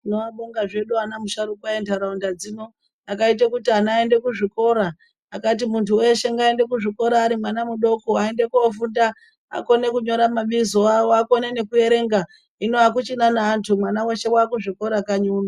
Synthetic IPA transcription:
inoaɓoŋɡaʐe̞ɗuanamuʃaɾukwaentaɾaundad͡ziːno̞ | akait̬akutianaːende̞kuʐiko̞ɾaː | kat̬imuntʰuwe̞ʃe̞ŋɡaende̞kuʐiko̞ɾaːɾimwanamuɗo̞koae̞nde̞kuofunda | a̰ko̞ne̞kuɲo̞ɾamaɓizoawoakonene̞kue̞ɾe̞ŋɡa | ino̞ak̬ut͡ʃinanaːntʰumwanaweʃe̞waːkuʐiko̞ɾakaɲuːna

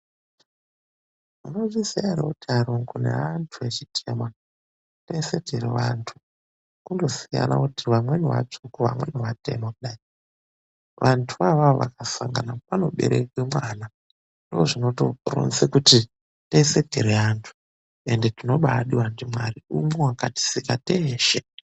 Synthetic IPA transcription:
muno̞ʐisijaɾekutiaɾoŋɡunḛantʰuet͡ʃitʰe̞mwa | tese̞dirḛʋantʰu̥ | nkundo̞sija̰na̰kutiʋamweniwa̰t͡ʂukuʋa̰mwe̞niwate̞̰mokuɗai | ʋantʰuʋaʋaoʋa̰kasaŋɡa̰napano̞ɓe̞̰ɾekwemwana | ndooʐino̞toro̰nsekuti | tese̞dʱiɾeaːntʰu̥ | e̞nde̞tino̞ɓaɗiwandimwariumwewakati̥sikateːʃe

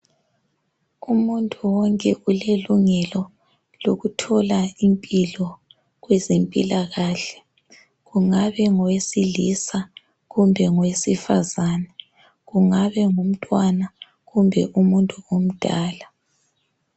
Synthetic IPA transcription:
umuntʼuwɔŋkʼɛuleluŋɛlɔ | loɣutʰɔlaimpʼilɔ | ɣwezempʼḭlaɣaːɬɛ̥ | ɣuŋaβɛŋwesilisa | ɣumbʱɛŋwesifazanɛ | ɣuŋaβɛŋum̩tʼwana | ɣumbʱɛ̰ʔumuntʼuom̩d̥ʱaːla

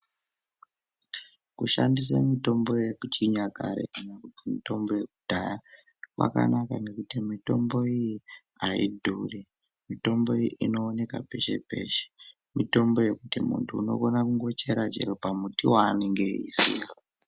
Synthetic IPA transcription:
kuʃandis̬amito̞mbo̞jekut͡ʃiɲakaɾḛkanakutimito̞mbo̞je̞kudʱaja | wa̰ka̰nakaŋɡe̞kutimito̞mbo̞iji | aḭdʱuri | mito̞mbo̞iiʔino̞ːne̞kape̞ʃe̞̰pe̞ʃe̥ | mito̞mbo̞je̞kutimṵntʰuːno̞̰ko̞nakuŋɡo̞t͡ʃe̞ɾat͡ʃḛɾopamutiwaːneŋɡe̞ḭsi

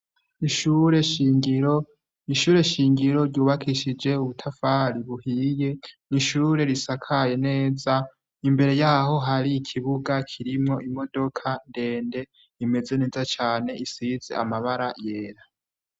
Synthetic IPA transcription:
iʃuɾe̞ʃiːŋɡiɾo | iʃuːɾe̞ʃiːŋɡiɾo̞ɾɟuːβakʰiʃid͡ʒe̞uβutʰafaɾiβuhije̞niʃuːɾe̞ɾisakʰaje̞ne̞ːza | imbe̞ɾe̞jaːɦo̞ɦaɾiːkʰiβuɡakʰiɾimŋo̞ʔimo̞do̞kʰande̞ːnde̞ | ime̞ze̞ne̞ːzat͡ʃaːne̞isize̞̰a̰maβaɾajeːɾa

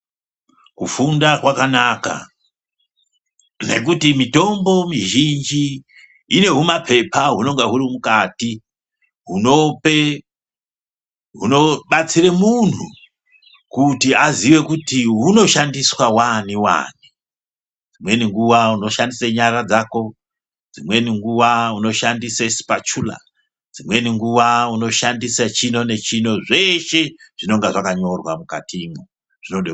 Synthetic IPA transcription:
kufundakwakanaːka̰ | ne̞̰k̬utimito̞mbo̞miʒind͡ʒiː | ne̞ɦumapʰe̞pʰaɦuno̞ŋɡeɦurimukaːti | ɦuno̞pe | ɦuno̞ɓat͡siremun̤u | kutiaziʋe̞kutiɦuno̞ʃandiswawaniwa̰ːni | d͡zimwe̞niŋɡuʋauno̞ʃandiseɲaɾad͡zaːko̞ | d͡zimwe̞niŋɡuʋauno̞ʃandisesi̥pat͡ʃula̰ | d͡zimwe̞niŋɡuʋauno̞ʃandisat͡ʃino̞ne̞t͡ʃino̞ʐeʃe̞ʐ̥ino̞ŋɡeʐakaɲo̞rwamuka̰tʰimu | ʐ̥inoɗe

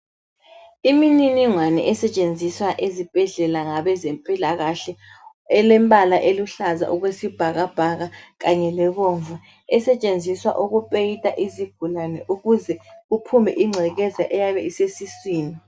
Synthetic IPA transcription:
imininiŋwanɛ̰ʔɛsɛt͡ʃʼend͡zʱiswaʔezib̥ʱɛɮɛlaŋaβɛzempʼilaɣaɬɛ | ɛlɛmbʱʼalaʔeluɬaza̰ʔuɣwesib̥ʱaɣab̥ʱaɣaɣaɲɛlɛβoɱvu | ɛsɛt͡ʃʼend͡zʱiswa̰ʔuɣupʼejitʼaʔiziɡ̥ʱulanɛʔuɣuzɛupʰumɛ̰ʔiŋ͡ǀʱɛɣɛzaʔɛjaβɛisesiswiːni

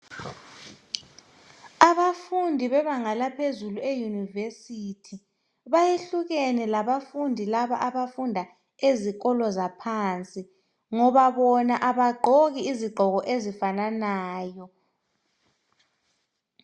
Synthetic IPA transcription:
aβafundʱiβɛβaŋalapʰezuluejunivesitʰi | βajeɬuɣɛnɛlaβafundʱilaβa̰ʔaβafundʱa | eziɣɔlɔzapʰant͡sʼi | ŋɔβaβɔnaʔaβaɡ͡ǃʱoɣiːziɡ͡ǃʱɔɣɔʔezifananaːjɔ

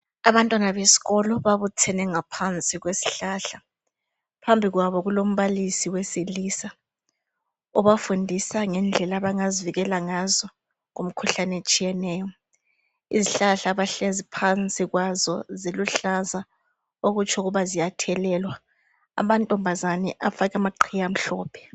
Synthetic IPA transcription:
aβantʼwanaβesi̥ɣɔlɔβaβutʰɛnɛŋapʰant͡sʼiɣwesi̥ɬaɬa | pʰambʱiɣwaβɔɣulom̩βalisiwesilisa | ɔβafundʱisaŋɛnd͡ɮʱɛlaβaŋaziviɣɛlaŋazɔ | ŋom̩kʰuɬanɛt͡ʃʼijɛnɛːjɔ | iziɬaɬaːβaɬezipʰant͡sʼiɣwazɔziluɬaza | oɣut͡ʃʰʼɔɣuβazijatʰɛlɛlwa̰ː | mantʼɔmbʱazanɛʔafaɣamaǃʰijam̩ɬɔːpʰɛ̥

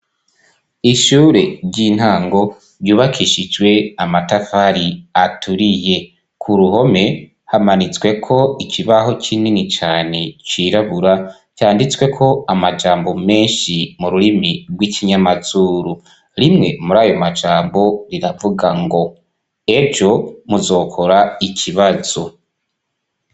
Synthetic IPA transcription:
iʃuːɾe̞ɾɟin̥haːŋɡo̞ | ɾjuːβakʰiʃid͡ʒwe̞amatafaɾiatʰuɾije̞ | kʰuɾuho̞me̞ | hamanit͡swe̞kʰo̞ikʰiβaho̞t͡ʃininit͡ʃaːne̞t͡ʃiːɾaβuɾa | t͡ʃaːndit͡swe̞kʰo̞amad͡ʒaːmbo̞me̞ːnʃimuɾuɾimiɾɡwicʰiɲamaz̥uːɾu | ɾimŋe̞muɾaːjo̞mad͡ʒaːmbo̞ɾiɾavuɡaŋɡo̞ | eɾd͡ʒo̞muzo̞ːkʰoɾaicʰiβaz̥o̞

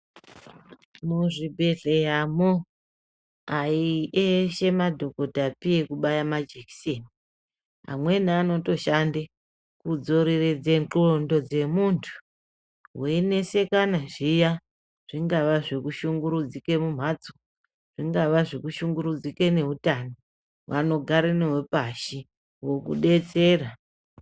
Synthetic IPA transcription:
muʐibʱe̞ɮe̞ɦamo | aiʔeʃe̞madʱo̞ko̞dapijekuɓajamad͡ʒeki̥seni | a̰mwe̞niano̞to̞ʃande | kud͡zo̞ɾered͡zenǃondo̞d͡ze̞muntʰu̥ | wene̞se̞kanaʐija | ʐ̥iŋɡaʋaʐekuʃuŋɡuɾud͡zike̞mum̤ad͡zo | ʐ̥iŋɡaʋaʐekuʃuŋɡuɾud͡zike̞ne̞ɦutano | ʋano̞ɡʱaɾeneɦepaʃi | wo̞kṵɗe̞t͡se̞ːra

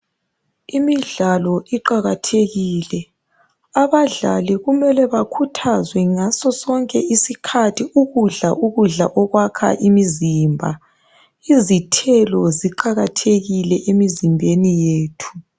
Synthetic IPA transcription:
imiɮalɔiǃaɣatʰeɣiːlɛ | aβaɮa̰liɣumɛlɛβakʰutʰazwɛŋasɔsɔŋkʼɛisikʰatʰiʔuɣuɮa̰ʔuɣuɮa̰ʔɔɣwakʰa̰ʔimizimbʱa̰ | izitʰɛlɔziǃaɣatʰeɣilɛʔemizimbʱenijeːtʰu̥

